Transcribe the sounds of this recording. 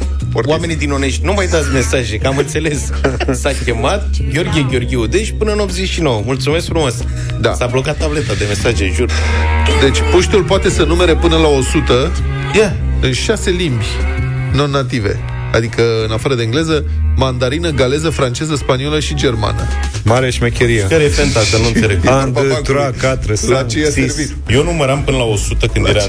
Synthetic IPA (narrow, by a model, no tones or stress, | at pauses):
portwame̞nid̪ino̞ne̞ʃt̪ʲnumajd̪at̪sʲme̞saʒekəamɨnt̪se̞le̞s | sakʲe̞mat̪̚ɡʲeo̞rɡʲieɡʲo̞rɡʲeud̪e̞ʃpɨnəɨno̞p̚t̪ze̞ʃino̞wəmult̪sumeskfɾumas | d̪a̰sablo̞kat̪ːablet̪ad̪e̞me̞saʒḛʒuɾd̪e̞t͡ʃʲpoʃt̪ulpoat̪e̞sənume̞ɾe̞pɨnəlao̞sut̪ə | jɛ | ɨnʃase̞limbʲ | no̞nat̪ive̞̰ | a̰d̪ikəɨnafaɾəd̪eɨŋɡle̞zə | mand̪aɾinəɡale̞zəfɾant͡ʃe̞zəspanio̞ləʃid͡ʒe̞rma̰nə̰ | maɾeʃimekʲeɾiakaɾefent̪akənuɨneɾepand̪t̪uɾakat̪ɾəslat͡ʃejasvi | jonuməɾampɨnəlaosut̪əkɨnd̪jeɾa